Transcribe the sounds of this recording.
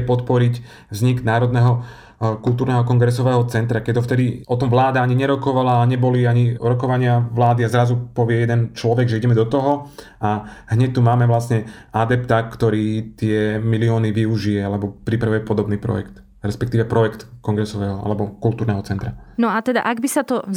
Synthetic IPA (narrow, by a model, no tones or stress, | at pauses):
pɔt̪pɔɾic | vzɲiɡnaːɾɔd̪nɛɦɔ | kulˠt̪uːɾnɛːɦɔkɔŋɡɾɛsɔʋɛːɦɔt͡sɛnt̪ɾakɛɔft̪ɛd̪iɔt̪ɔmʋlaːd̪aaɲiɲɛɾɔkɔʋalaːɲɛbɔliaɲiɾɔkɔʋaɲɪaʋlaːd̪iazɾazupɔʋɪɛjɛd̪ɛnt͡ʃlɔʋɛɡʒɛiɟɛmɛd̪ɔt̪ɔɦɔ | aɦɲɛc̚t̪umaːmɛʋlasɲɛad̪ɛpt̪akt̪ɔɾiːt̪ɪɛmiliɔːniʋiuʒijɛalɛbɔpɾipɾaʋujɛpɔd̪ɔbniːpɾɔ̰jɛ̰kt̪ | ɾɛspɛkt̪iːʋɛpɾɔjɛkt̪kɔŋɡɾɛsɔʋɛːɦɔa̰lɛbɔkult̪uːɾnɛːɦɔt͡sɛnt̪ɾanɔat̪ɛd̪a̰ʔaɡbisat̪ɔ